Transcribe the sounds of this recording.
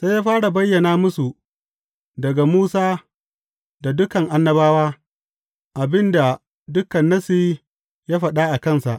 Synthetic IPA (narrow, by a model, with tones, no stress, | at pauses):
sa˦jaː˦ɸaː˦ɽa˨bɐ˦jːɐ˨naː˦mʊ˦su˨ | dɐ˨ɡa˨muː˦saː˦ | da˨dʊ˦kɐ˨ŋʔa˨nːɐ˦baː˦waː˦ | ʔa˨bɪ˦nda˨ | dʊ˦kɐ˨nːɐ˦siː˦ | jaː˦ɸɐ˨ɗa˦ʔa˨kɐ˦nsa˨ʔ